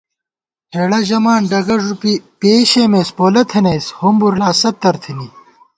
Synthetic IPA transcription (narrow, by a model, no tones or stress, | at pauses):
heːɽɐʑɐmaːnɖɐɡɐʐupipeːɕemeːspoːlɐt̪ʰɐneːshombuɾaːsɐt̪ːɐɾt̪ʰini